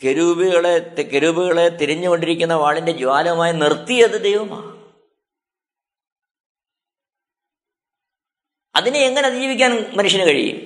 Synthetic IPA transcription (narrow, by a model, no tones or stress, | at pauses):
keɾubiɣɐɭekeɾuːbiɣɐɭe̞t̪iɾiɲːuko̞ɳɖiɾikʲːunːɐʋaːɭinde̞d͡ʑuʋaːlɐɐmaːjɐnirt̪ːijɐðɨd̪ejʋɐma̰ː | ɐ̰ðinɨeŋːɐneɐðijiːʋikʲːaːnmɐnuʂjɐnɨkɐɻḭjṵm